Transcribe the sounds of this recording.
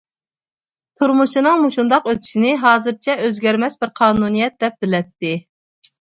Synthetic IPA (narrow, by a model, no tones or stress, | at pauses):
t̪ʰuɾmuʃinɨŋmuʃund̪ɑqøt̪ʰy̥ʃinɪɦɑːzɨɾt͡ʃʰɛøzɡʲɛɾmɛsbɪɾqʰɑːnunijɛt̪̚d̪ɛp̚bɪlɛt̪ːɪ